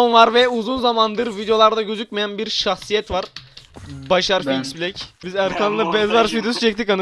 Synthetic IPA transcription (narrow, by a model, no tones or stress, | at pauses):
onvaɾvɛuzunzamand̪ɯɾvid̪ejo̞lˠaɾd̪aɟøzyc̚mejænbiɾʃaxsijɛt̪vaɾ | baʃaɾfiksbilʲɛcbizaɾkʰanˠlˠabɛzvaɾsvid̪osut͡ʃʰɛc̚t̪ʰikanɯ